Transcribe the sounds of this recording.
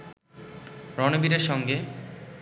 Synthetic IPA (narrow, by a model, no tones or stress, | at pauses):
ɾɔnobiɾeɾʃɔŋɡe